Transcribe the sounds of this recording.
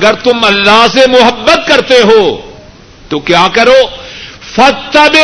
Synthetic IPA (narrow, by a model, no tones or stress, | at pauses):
ɐɡəɾt̪ʊmɐlːaɦsemʊɦɐbːət̪̚kɐɾt̪eɦoː | t̪okjaːkɐɾoːfɐt̪ːɐbɪ